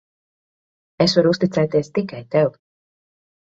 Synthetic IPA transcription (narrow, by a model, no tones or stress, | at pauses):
esvaɾust̪it̪sɛjt̪iɛst̪ikajt̪ɛw